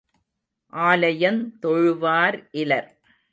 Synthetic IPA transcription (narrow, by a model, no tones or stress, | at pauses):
ʔaːlɐjɐnt̪ɔɻɯʋaːɾʔɪlɐɾ